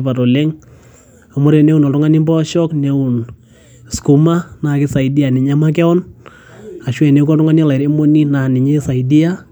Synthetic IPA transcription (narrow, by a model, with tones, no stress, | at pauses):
pa˨ɾɔ˨le˦ŋ | a˨mʊ˦ɾɛ˨nɛ˦u˨nɔ˨tʊ˦ŋa˦ni˦mbɔ˦ʃɔ˦knɛ˦ʊ˨n | sku˨ma˦na˨kɪ˦sa˨ɪ˨di˦a˨nɪ˨ɲa˦ma˦k̬ɛ˦ɔ˦n | a˨ʃwɛ˨ne˨˦kɔ˦tʊ˦ŋa˦ni˦ɔ˦la˨ɾe˦mo˦ni˦na˨nɪ˨ɲe˦sa˨ɪdi˦a˦